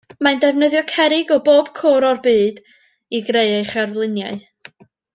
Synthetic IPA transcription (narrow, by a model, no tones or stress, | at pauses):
mandɛvnəðjɔkʰɛɾɪɡɔboːb̥kʰoːɾɔrbɨːd̥ | iɡreɨejχɛrvlˠɪnja̰ɨ